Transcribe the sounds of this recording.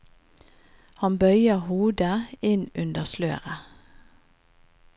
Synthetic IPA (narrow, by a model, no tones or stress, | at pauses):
hɑnbœʏəʁhuːd̪əɪnʉnd̪əslø̰ːʁə